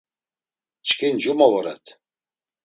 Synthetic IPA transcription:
t͡ʃʰkʰind͡ʒumɔvɔɾɛ̰t̪ʰ

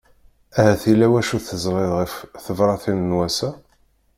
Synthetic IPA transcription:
æhæθilæwæʃuθəzˤɾˤeðʁəfθəvɾˤɑθinənwæsæ

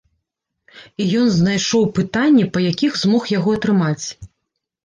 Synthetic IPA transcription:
ijɔnznajʂɔwpɨt̪anʲːɛpɐjakʲixzmɔxjaɣɔɐt̪ɾɨmat͡sʲ

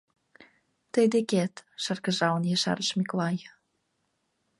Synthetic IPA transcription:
t̪əjd̪eket̪ʃərkə̆ʒɑwnjeʃɑ̰ɾəʃmikolɑj

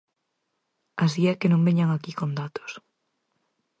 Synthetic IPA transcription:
as̬iɛkenõmbeɲaŋakikond̪at̪o̥s

